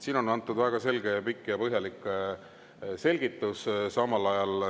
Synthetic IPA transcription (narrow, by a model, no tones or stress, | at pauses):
siːno̞nɑnt̪ːˑud̪væeɡ̥ɑse̞lɡe̞pikːˑjɑpɤɦjɑlikˑ | se̞lɡ̥it̪ːˑussɑmɑlɑjɑl